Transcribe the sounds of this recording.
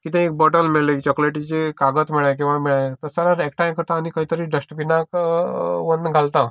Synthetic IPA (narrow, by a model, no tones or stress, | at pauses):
kit̪ẽek̚bɔʈəlmeɭekt͡ɕɔkleʈid͡ʑt͡ɕekaɡət̪miɭajk̬ĩw̃ʋamiɭat̪əsaɾaɾek̚ʈajmkəɾt̪aːnikaɦit̪əɾiɖəsʈpinak | ʋənɡʱalt̪a